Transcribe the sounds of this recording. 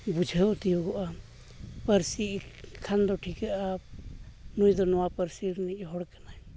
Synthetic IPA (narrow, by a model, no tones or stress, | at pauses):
bud͡ʒʱəʔt̪ijɔɡɔʔa | pəɾsiʔkʰand̪ɔʈʰikaʔa | nujd̪ɔnɔwapəɾsiɾniʔɦɔɽkanaj